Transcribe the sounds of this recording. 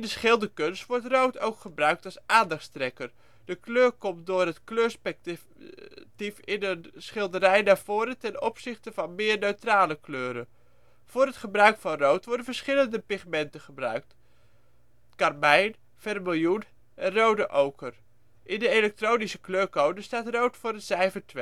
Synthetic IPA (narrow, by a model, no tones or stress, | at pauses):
ɪndəsχɪlˠdəkɵnstʋɔɹtrowtowkχəbrœɥk̚tɑlˠsaːndɑχtstrɛkər | d̥əkløːɹkɔmt̚dʊːrɦətkløːɹspɛ | tifɪnənsχɪlˠdəɾɛjnaːɹv̥oːɾətɛnɔpsɪχtəvɑnmɪːɹnøɥtraːləkløːɾə | v̥ʊːɾɦətχəbrœɥkfɑnrowtʋɔɹdənvəɹsχɪləndəpɪχmɛntəχəbrœ̰ɥk̚t | kɑrmɛjn | fɛrmɪlˠjun | ɛnrowdəʔowkər | ʔɪndəelɛk̚trownisəkløːɹkowdəstaːtrowtfʊːɾənz̥ɛjvətʋe